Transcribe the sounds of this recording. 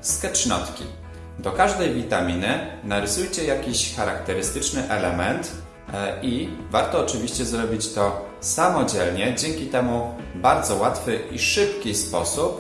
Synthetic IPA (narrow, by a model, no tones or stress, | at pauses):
skɛt͡ʂnɔ̰t̪kʲḭ | d̪ɔkaʐd̪ɛjvʲit̪amʲinɘnaɾɘsujt͡ɕɛjakʲiɕxaɾa̰kt̪ɛɾɘst̪ɘt͡ʂnɘʔɛlɛmɛnt̪ | ivaɾt̪ɔːt͡ʂɘvʲiɕt͡ɕɛzɾɔbʲit͡ɕt̪ɔ | samɔd͡ʑɛlɲɛd͡ʑɛŋkʲit̪ɛmubaɾd̪zɔwat̪fɘʔiʂɘpkʲispɔsup